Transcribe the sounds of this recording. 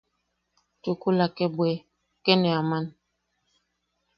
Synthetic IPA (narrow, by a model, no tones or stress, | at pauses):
tokolakɛbwɛ | kɛnɛaman